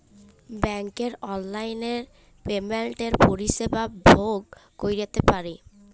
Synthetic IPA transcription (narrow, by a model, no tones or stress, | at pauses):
bɛŋkeɾɔnlajneɾ | pemelʈeɾpoɾiʃebabʱoɡː | ojɾet̪epaɾe